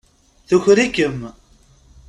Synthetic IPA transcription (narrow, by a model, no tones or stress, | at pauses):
θuçɾikəm